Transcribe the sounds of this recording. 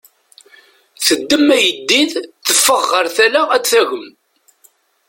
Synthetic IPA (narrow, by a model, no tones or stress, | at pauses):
θəd̪ːəmːæjəd̪ːiðθəfːəʁːəɾθælaæd̪θæʝəm